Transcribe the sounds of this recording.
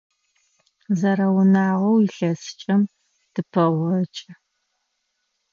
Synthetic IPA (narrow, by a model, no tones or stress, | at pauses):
zɐɾɐwʊnaːʁɐwjɪɬɐst͡ʃʼɐm | d̥ɨpʰɐʁʷɐt͡ʃʼɐ